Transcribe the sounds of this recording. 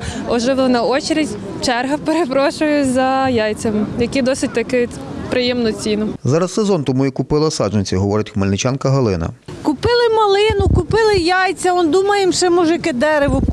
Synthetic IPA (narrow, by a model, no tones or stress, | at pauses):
ɔʒɛʋɔnɐɔt͡ʃeɾezʲ | t͡ʃɛrɦɐpeɾepɾɔʃʊjʊzɐjɑjt͡sʲɐmɪjɐkʲid̪ɔsɪt̚ʲt̪ɐkɪ | pɾɪjɛmnɔt͡sʲinʊzɑɾɐssezɔnt̪ɔmujikʊpɪlˠɐsɑd͡ʒɪnʲt͡sʲɐɦɔʋɔɾɪtʲxmelʲnɪt͡ʃɑnkɐɦɐlˠɪ̰nɐ̰ | kʊpɪlˠɪmɐlˠɪnʊkʊpɪlˠɪjɑjt͡sʲɐɔnd̪umɐjɪmʃɛmɔʒjkɪd̪ɛɾeʋʊ